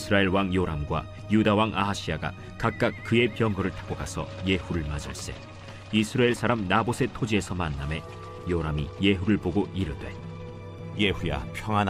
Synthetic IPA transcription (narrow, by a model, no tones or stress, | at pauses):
sʰɯɾaeɭwaŋjoɾamɡwa̰ | judawaŋaɦaɕ͈ʰiaɡa̰ | kak̚k͈ak̚k͈ɯe̞pjʌŋɡʌɾɯɭtʰḁk͈oɡasʰʌ̰je̞huɾɯɭmad͡ʑʌɭs͈e̞̰ | isʰɯɾaeɭs͈ʰaɾamnabosʰe̞tʰod͡ʑie̞sʰʌmanːame̞ | joɾamije̞ɦuɾɯɭboɡoʔiɾɯdwḛ | jeɸuja̰pʰjʌŋan